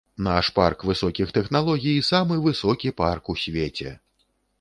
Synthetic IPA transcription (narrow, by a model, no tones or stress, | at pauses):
naʂpa̰rkvɨsɔkʲixt̪ɛxnalˠɔɣʲijisamɨvɨsɔkʲiparkusʲvʲet͡sʲɛ̰